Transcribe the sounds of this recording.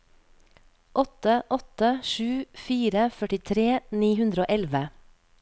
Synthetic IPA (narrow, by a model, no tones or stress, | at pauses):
ʔɔt̪əʔɔt̪əʃʉːfiːɾəfœʈɪt̪ʰɾeːniːhʉnd̪ɾəoːʔɛlʋə